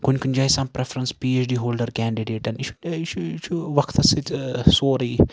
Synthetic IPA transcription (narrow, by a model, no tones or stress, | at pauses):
kʊnʲkʊnʲd͡ʒaːisɐ̃mpɾefɾə̃nspiːeːt͡ʃɖiːɦoːlɖəɾkɛːɳɖiɖeːʈɛ̃nit͡ʃʰu̥t͡ʃʰut͡ʃʰuʋɐkʰt̪ɐsisoːɾiː